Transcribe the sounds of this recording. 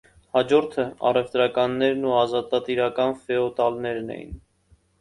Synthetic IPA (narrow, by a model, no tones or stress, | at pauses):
hɑd͡ʒɔɾt̪ʰəɑ̰rɛvt̪ɾɑkɑnːɛɾnuɑzɑt̪ɑt̪iɾɑkɑnfɛɔt̪ɑlnɛɾnɛ̰jḭn